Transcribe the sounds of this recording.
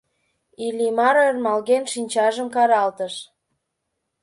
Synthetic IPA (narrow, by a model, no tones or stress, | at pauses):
ilʲimɑɾermɑlɣenʃinʲt͡ɕɑʒəmkɑɾɑlt̪əʃ